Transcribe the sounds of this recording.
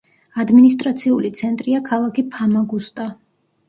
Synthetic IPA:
ad̪minist̪ʼɾat̪sʰiulit̪sʰɛnt̪ʼɾiakʰalˠakʰipʰamaɡust̪ʼa

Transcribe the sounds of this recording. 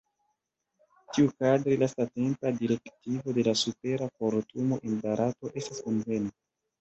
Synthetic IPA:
tiukadɾilastate̞mpadiɾe̞ktivo̞de̞lasupe̞ɾakoɾtumo̞ʔenbaɾʔato̞ʔe̞stḁskonve̞ni

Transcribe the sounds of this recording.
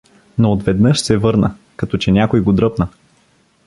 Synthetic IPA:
noːt̪vɛd̪nɤʃsɛvɤɾnə | kɐt̪ɔt͡ʃɛnʲakojɡod̪ɾɤpnə

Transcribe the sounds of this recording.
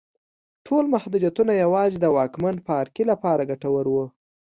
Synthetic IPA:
ʈʰolmahd̪ud̪jat̪unajawɑzid̪əwɑkmanpəːɾkilapɑɾaɡaʈawəɾwə

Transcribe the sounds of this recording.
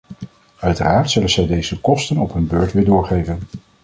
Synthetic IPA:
œɥtə̰raːɹtsɵlənz̥ɛjdejzəkɔstənɔpɦnbøːɹtʋɪːɹdʊːɹχejvən

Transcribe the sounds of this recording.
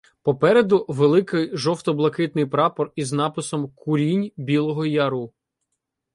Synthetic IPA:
pɔpɛɾed̪ʊʋelˠɪkɪjʒɔwt̪ɔblˠɐkɪt̪nɪjpɾɑpɔriznɑpɪsɔmkʊɾʲinʲbʲilˠɔɦɔjɐɾu

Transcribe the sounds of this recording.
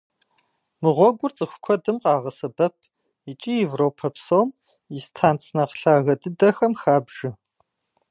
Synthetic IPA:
mɨʁʷɔɡʷʊrt͡sʼɨxʷʊ̥kʷʰɔdɨmqʼɑːʁɐsɐbɐpʰ | it͡ʃʼijevroːpʰɐpʰsowm | jɪstʰaːnt͡sʰnɐqɬaːɣɐdɨdɐxɐmxaːbʒ̥ɨ

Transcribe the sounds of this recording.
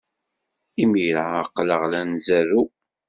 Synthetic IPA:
imiɾaəqːləʁlænzæɾu

